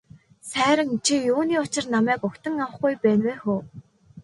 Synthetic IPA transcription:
sæːɾə̆ŋt͡ɕʰijuːniːʊt͡ɕɪ̆rnamæːkʊkt̪ə̆ŋawə̆χɡujpæːnweːxoː

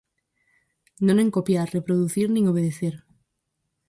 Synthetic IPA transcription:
nõneŋkopjarepɾoðuθiɾnĩŋoβ̞eð̞eθeɾ

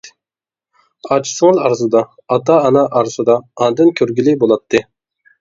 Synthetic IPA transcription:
ɑt͡ʃʰsɨŋlˠɑɾzud̪ɑ | ɑt̪ʰɑːnɑʔɑɾsɨd̪ɑɑnd̪ɨnkʲʰøɾɡʲilɪbolˠɑt̪ʰːɨ

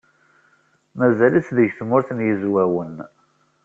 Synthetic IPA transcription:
mæzælit͡sðəʝθmʊɾθənjəzwæwən

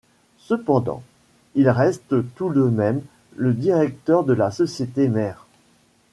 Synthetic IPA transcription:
səpɑ̃d̪ɑ̰̃ | ilʁɛst̪t̪ud̪əmɛm | ləd̪iʁɛk̚t̪œʁd̪əlasɔsjet̪emɛːʁ

